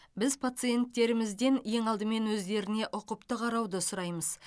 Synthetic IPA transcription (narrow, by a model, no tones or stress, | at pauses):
bɪzpʰat̪sɨje̞nt̪ːe̞ɾɪmɪzd̪e̞nje̞ŋɑlˠd̪əme̞nwɵzd̪e̞ɾɪne̞ʔʊqəpt̪əqʰɑɾɑwd̪əsʊɾɑjməz̥